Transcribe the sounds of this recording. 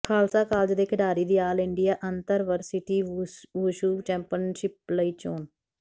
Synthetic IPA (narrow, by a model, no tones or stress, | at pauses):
kʰaːlsaːkaːld͡ʒd̪eːkʰɪɖaːɾiːd̪iːaːlɪɳɖijaːʔənt̪əɾʋəɾsɪʈiːʋuʃuːt͡ʃɛ̃ːmpɪənʃɪp̚ləiːt͡ʃoːn